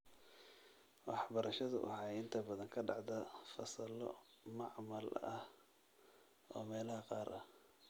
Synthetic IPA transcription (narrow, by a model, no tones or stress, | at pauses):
wɑħbɐɾɐʃɐðɐ̰ʔʊ̰hɑɪnt̪ʰɐbɐðɐŋkʰɐɖɑʕd̪ɐfɐsɐlɔ̰ | mɑʕmɐlɐ̰h | ʔɔːmɛːlɐhɐqɑːɾʔɐ